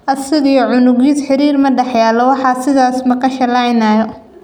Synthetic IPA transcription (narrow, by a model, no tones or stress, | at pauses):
ʔɐsɪɣijɔʕʊnʊɣid̪ħɪɾiːrmɐɖɛħjaːlɔwɑħɑsɪðaːsmɐqɑʃɐlɐjnaːjɔ